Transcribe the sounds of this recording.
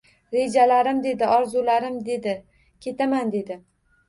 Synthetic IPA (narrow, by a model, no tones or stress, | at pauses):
ɾe̞d͡ʒalaɾɪmd̪e̞d̪ɪɒɾzulaɾɪmd̪ed̪ɪ | kʲʰe̞t̪ʰamand̪e̞d̪ɪ